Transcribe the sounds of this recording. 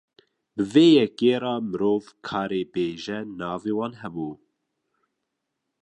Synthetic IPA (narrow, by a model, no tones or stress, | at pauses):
bɨveːjɛkeːɾɑːmɨɾoːvkʰɑːɾeːbeːʒɛnɑːveːwɑːnɦɛbuː